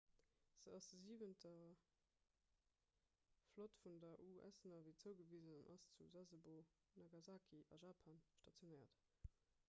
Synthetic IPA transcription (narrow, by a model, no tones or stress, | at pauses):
z̥əɑsd̥əziːvəntʰɐ | flotfundɐʔuʔæ̰snɐviːt͡səʊɡəviːzənɑnʔɑ̰st͡suzæzəbo | nɑɡɑzaːkʰiʔɑ̰ʒaːpʰɑnʃtɑt͡sjonəɪɐt